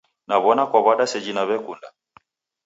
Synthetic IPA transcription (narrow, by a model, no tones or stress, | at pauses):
naβɔnakwaβaɗasɛd͡ʒinaβɛkunda